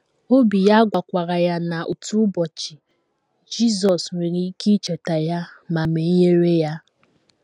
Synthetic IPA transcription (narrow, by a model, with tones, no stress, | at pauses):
o˦bi˨ja˦ɡʷa˨kʷa˨ɾa˨ja˦na˨ʔu˨tu˦bɔ˨t͡ʃi˨ | d͡ʒi˦zɔ˨sŋʷe˨ɾi˦ki˦t͡ʃe˨ta˨ja˦ma˨me˨˦je˦ɾe˦ja˦